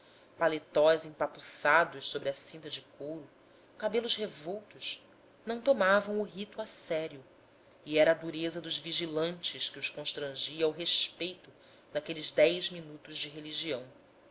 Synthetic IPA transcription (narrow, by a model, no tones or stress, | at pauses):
palet̪ɔjzẽpapusad̪ʊʃsobɾɪɐsĩnt̪ɐd͡ʒɪkowɾʊ | kabelʊʃhevowt̪ʊʃ | nɐ̃w̃t̪omavɐ̃w̃ʊɦit̪uasɛɾiʊ | iɛɾɐːd̪uɾezɐd̪ʊʒviʒilɐ̃nt͡ʃɪʃkiʊʃkõʃt̪ɾɐ̃ʒiɐawɦeʃpejt̪ʊ | d̪akelɪzd̪ɛjzminut̪ʊzd͡ʒɪɦeliʒiɐ̃w̃